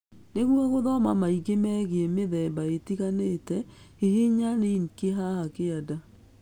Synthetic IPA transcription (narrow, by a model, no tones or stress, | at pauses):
neɣwɔɣoðɔmamaiɣemɛɣeɛmeðɛmbaetiɣanetɛ | iɦeɲaneiŋkeɦahakeada